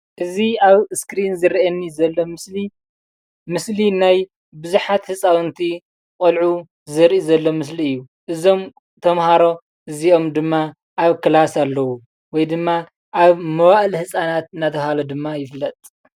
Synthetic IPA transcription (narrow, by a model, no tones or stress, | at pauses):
ʔɨziaβskɾinzɨɾiʔɐnːizɐlːo̞mɨsli | mɨslinaj | bɨzuħat̪hɨsʼawɨnt̪ʰi | qʼolʕu | zɨɾʔizɐlːo̞mɨsliɨjːu | ʔɨzo̞m | t̪ʰɐmhaɾo̞ | ʔɨzio̞md̪ɨmːa | ʔaβkɨlasalːɐwu | wɔjd̪ɨmːa | ʔaβmɐwaʔlhɨsʼanat̪ɨnat̪ʰɐhalod̪ɨmːajɪflːɐt̪ʼ